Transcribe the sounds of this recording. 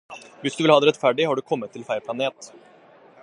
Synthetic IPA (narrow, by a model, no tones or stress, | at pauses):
ʋɪsd̪ʉʋɪlɑːd̪ɾɛt̪fæɖɪhɑɖʉkʰɔmːət̪ʰːɪlfæɪɾpʰlɑneːt̪